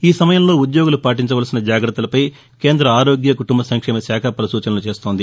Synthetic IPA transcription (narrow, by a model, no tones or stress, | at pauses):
iːsɐmɐjɐmlo̞ːud̪jo̞ːɡulupaːʈ̬iɲt͡ʃɐʋɐːlsinɐd͡ʒaːɡɾɐt̪ːɐulɐpɐj | ke̞ːnd̪ɾɐaːɾo̞ːɡjɐkuʈumbɐsɐŋkʂɛːmɐsjaːkʰɐpɐɾɐsuːt͡ʃɐnɐlut͡ʃe̞ːst̪oːnd̪i